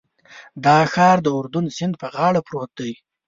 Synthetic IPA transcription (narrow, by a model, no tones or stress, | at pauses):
d̪ɑxɑɾd̪əʊɾd̪ʊnsɪnd̪̚pəɣɑɽapɾot̪̚d̪əj